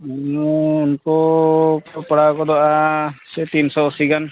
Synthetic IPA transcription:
unkɔkpɔɽakɔd̪ɔʔasɛt̪insɔɔsiɡan

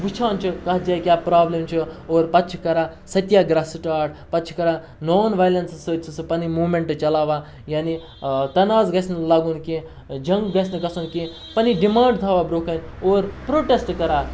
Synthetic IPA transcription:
ʋit͡ʃʰãːnt͡ʃʰikɐɦd͡ʒaːjkʲjaːpɾaːblemt͡ʃʰioːɾpɐtːt͡ʃʰkɐɾasɐt̪jaɡɾasʈaːʈpɐt͡ʃʰkɐɾa | noːnʋajlɐnssɨt͡ʃʰsɨpɐnimuːmẽɳʈt͡ʃɐlaːʋa | jaːni | t̪ɐnaːzɡɐsnlaːɡunki | d͡ʒɐ̃ŋɡɡɐsnɨɡɐsɐnki | pɐniɖimãːɳɖt̪ʰaːʋabɾoːkɐnʲoːɾpɾoːʈesʈkɐɾaː

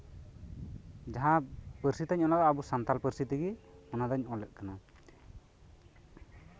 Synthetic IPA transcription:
d͡ʒaɦãpəɾsit̪aɲɔnad̪ɔabusant̪alpəɾsit̪iɡiɔnad̪ɔɲɔlɛʔ̪̚kana

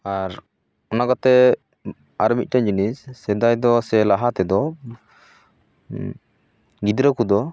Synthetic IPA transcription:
aɾ | ɔnakɔt̪ɛ | aɾɔmit̪̚ˀʈaɲd͡ʒinisːɛd̪ajd̪ɔsɛlaɦat̪ɛd̪ɔ | ɡid̪ɾəkud̪ɔ

